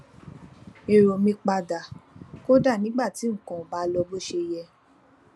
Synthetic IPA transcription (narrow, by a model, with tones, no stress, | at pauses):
e˨ɾo˨mĩ˧k͡pa˧da˨ko˦da˦˨nĩ˨˦ɡ͡ba˦˨ti˨˦ŋ̩̃˦˨kɔ̃˨ba˨˦lɔ˧bo˦˨ʃe˧jɛ˧